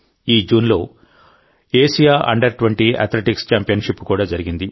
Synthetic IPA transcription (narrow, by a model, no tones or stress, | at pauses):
iːd͡ʒuːnlo̞ː | e̞ːʂijaːʔɐ̰ɳɖɐɾʈuʋɐɳʈiɐ̰t̪ʰleʈikst͡ʃaːmpijɐnʂipːu̥kuːɽaːd͡ʒɐɾiɡind̪i